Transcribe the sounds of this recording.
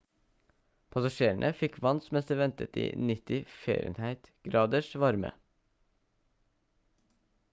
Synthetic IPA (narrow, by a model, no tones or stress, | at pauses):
pʰɑsɑʃeːɳʔəfɪkʰʋɑnsmɛst̪əʋɛnt̪ət̪ḭːnɪt̪ɪfḛːɾɪə̰nhæɪt̪ɡ̥ɾɑːd̪əʃʋɑɾmə̰